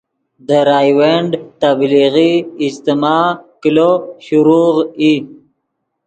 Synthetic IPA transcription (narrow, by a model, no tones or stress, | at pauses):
d̪əɾɑːjweɳɖt̪abliɣiːst̪imɑkiloɕuɾuʁi